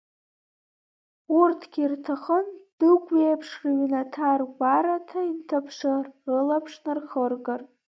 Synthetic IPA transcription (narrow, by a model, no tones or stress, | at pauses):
urtʰɡ̥ʲirtʰaχənd̥ɨɡʷejpʰʂrɥnatʰarɡʷaɾatʰaintʰapʰʂɨrɨlapʰʂnɨrχərɡar